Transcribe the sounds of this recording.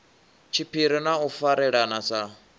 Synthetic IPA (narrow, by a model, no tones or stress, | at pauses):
t͡ʃʰipʰiɾinaufaɾɛɺanasa